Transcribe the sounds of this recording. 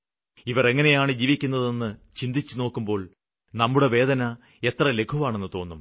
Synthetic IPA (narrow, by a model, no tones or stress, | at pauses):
iʋɐre̞ŋːɐne̞jaːɳɨd͡ʑiːʋikʲːunːɐðenːɨt͡ɕind̪ʱit͡ɕːuno̞ːkːumbo̞ːɭ | nɐmːuɽe̞ʋe̞ːd̪ɐnɐ | e̞t̪rɐle̞kʰuʋaːɳe̞nːɨt̪o̞ːnːum